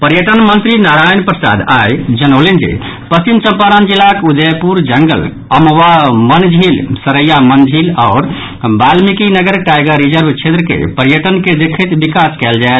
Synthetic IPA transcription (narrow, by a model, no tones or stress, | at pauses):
pəɾjəʈənmənt̪ɾinaɾajnpɾəsa̰d̪ajd͡ʒənəʊlind͡ʒḛ | pəimt͡ʃəmpaɾand͡ʒilːakud̪epuɾd͡ʒəŋɡə̰l | əmʋamənd͡ʒʱilsəɾəjamənd͡ʒʱilaːɾ | balmikinəɡəɾʈajɡəɾid͡ʒəɾbʱt͡ʃʰet̪ɾəkḛpəɾjəʈənked̪ekʰət̪bikaskɛld͡ʒae